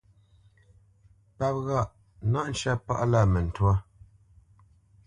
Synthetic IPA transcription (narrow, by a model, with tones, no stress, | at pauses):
pa˦˨p̚ɣa˦˨ʔ | na˦ʔn̩˦t͡ʃa˦pa̰˦ʔla˦˨mə˨n̩˨twa˦